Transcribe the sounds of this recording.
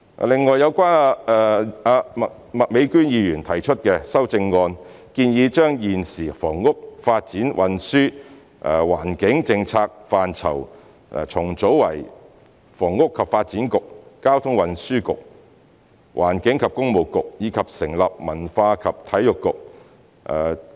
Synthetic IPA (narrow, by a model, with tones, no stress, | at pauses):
lɪ˨ŋːɔː˨jɐ˨˧wkʷaː˥na˧ɛ˨a˧mɐ˨ | mɐ˨t̚me˨˧jkyː˥njiː˨˧jyː˨˩nt̪ʰɐ˨˩jt͡ʃʰɵ˥t̚kɛː˧sɐ˥wt͡sɪ˧ŋːɔː˧n | kiː˧njiː˨˧t͡ʃœː˥ŋjiː˨˩nsiː˨˩fɔː˨˩ŋːʊ˥k̚faː˧t̚t͡siː˨˥nwʔɐ˨nsyː˥ | ʔwa̰ː˨˩nkɪ˨˥ŋt͡sɪ˧ŋt͡sʰaː˧k̚faː˨nt͡sʰɐ̰˨˩w̰ | t͡sʰʊ˨˩ŋt͡so˨˥wwɐ˨˩j | fɔː˨˩ŋːʊ˥kʰːɐ˨p̚faː˧t̚t͡siː˨˥nkʊ˨k̚ːaː˥wt̪ʰʊ˥ŋwɐ˨˧nsyː˥kʊ̰˨k̚ | wʔa̰ː˨˩nkɪ˨˥ŋkʰɐ˨p̚kʊ˥ŋmo˨˩wkʊ˨k̚jiː˨˧kʰɐ˨p̚sɪ˨˩ŋlɐ˨p̚mɐ˨˩nfaː˧kʰɐ˨p̚t̪ʰɐ˨˥jʊ˨kːʊ˨k̚ | ʔɛ˨